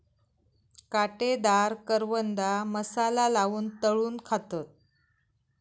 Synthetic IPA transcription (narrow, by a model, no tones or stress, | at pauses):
kaʈed̪aɾkəɾʋənd̪aməsalalaʋuːnt̪əɭuːnkʰat̪ət̪̚